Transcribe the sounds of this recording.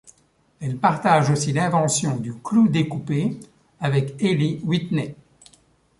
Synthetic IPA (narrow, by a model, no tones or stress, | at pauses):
ɛlpaʁt̪aʒosilɛ̃vɑ̃sjɔ̃d̪yklud̪ekupe | avɛkeliwit̪nɛ